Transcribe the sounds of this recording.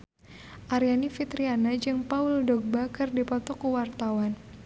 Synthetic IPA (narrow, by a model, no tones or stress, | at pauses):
ʔaɾijanifit̪ɾianad͡ʒɨŋpaʊldɔɡ̚bakərdipɔt̪ɔkuwart̪awan